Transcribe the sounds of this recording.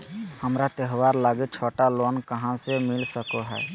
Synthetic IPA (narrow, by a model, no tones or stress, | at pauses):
həmɾat̪eɦwaːɾlaːɡet͡ʃʰoːʈaloːnkəɦãsemɪlsəkoɦɛ̰ː